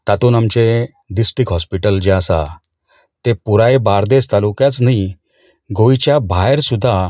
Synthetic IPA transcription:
t̪at̪uːnamt͡ɕe | ɖ̪isʈikɦɔspiʈəld͡ʑeasa̰ | t̪epuɾajbaɾd̪est̪alukjat͡snai | ɡojt͡ɕjabʱajɾsud̪ʱːa

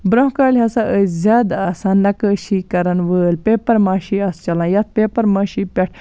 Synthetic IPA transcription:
bɾõɦkaːlʲɦɐsaʔəzʲaːd̪aːsanːɐkəʃikɐɾɐnʋəːlpʲeːpɐɾmãːʃiɐst͡ʃɐlãːjɐt̪̚pʲeːpɐɾmaːʃipʲɛʈ̚ʰ

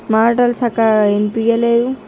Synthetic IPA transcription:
maːɾʈɐlsɐkɐempijɐleːd̪u

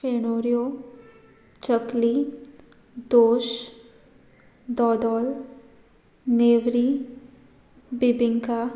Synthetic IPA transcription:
feːnoːɾijo | t͡ʃəkli | d̪oːʃ | d̪ɔːd̪ɔːl | neːʋɾi | bɪbɪ̃ŋka

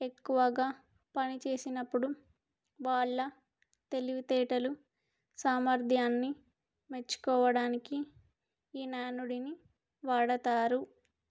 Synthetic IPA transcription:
e̞kːuʋɐɡaː | pɐnit͡ʃe̞ːsinɐpːuɽu | ʋaːɭːɐ | t̪e̞liʋit̪ɛːʈɐlu | saːmɐɾd̪ʱjaːnːi | me̞t͡ʃːu̥kɔːʋɐɽaːniki | iːnaːnuɽini | ʋaːɽɐt̪aːɾu

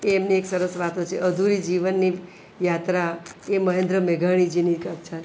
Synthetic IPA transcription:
eːmnieksəɾəsʋat̪ot͡ʃʰeʔəd̪ʱuɾid͡ʒiʋənːi | jat̪ɾaeməɦẽnd̪ɾəmeɡʱaɽ̃id͡ʒinikət͡ʃʰa

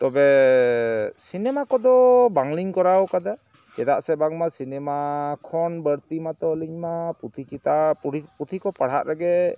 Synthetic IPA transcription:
t̪ɔbɛ | sinɛmakɔd̪ɔbaŋliɲkɔɾawkad̪a | kɛd̪aʔsɛbaŋmasinɛmakʰɔnbəɾt̪imat̪ɔliɲmaput̪ʰikit̪aiput̪ʰikɔpaɽ̤aʔɾaɡɛ

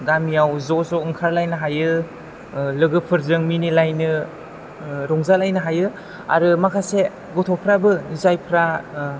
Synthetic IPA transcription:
ɡamijawzɔzɔɯŋkʰaɾlajnɯɦajɯ | lɯɡɯpʰɯɾzɯŋminilajnɯ | ɾɔŋzalajnɯɦajɯ | a̰ɾɯmakʰase | ɡɔtʰɔpʰɾabɯnizajpʰɾa

